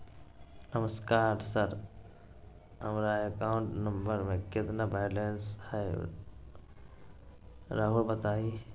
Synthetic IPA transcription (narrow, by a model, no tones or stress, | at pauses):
nəməskaːɾsəɾ | ɦəmɾaekaːʊɳʈnə̃mbəɾmẽkɪt̪nabalenshɛː | ɾaːɦulbət̪aːi